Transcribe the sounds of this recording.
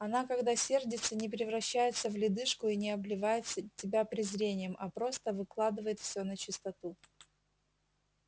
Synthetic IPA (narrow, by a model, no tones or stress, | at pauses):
ɐnakɐɡd̪asʲe̞rdʲɪt̪sənʲɪpɾʲɪvɾɐɕːæjɪt̪səvlʲɪd̪ɨʂkʊinʲɪɐblʲɪvajɪt̪sətʲːɪbʲapɾʲɪzɾʲenʲɪjəmʔɐpɾo̞st̪əvɨklˠad̪ɨvəjɪt̪fsʲɵnət͡ɕɪst̪ɐt̪u